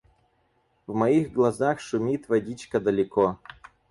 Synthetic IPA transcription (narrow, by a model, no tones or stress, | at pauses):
vmɐixɡlˠɐzaxʂʊmʲit̪vɐdʲit͡ɕkəd̪əlʲɪko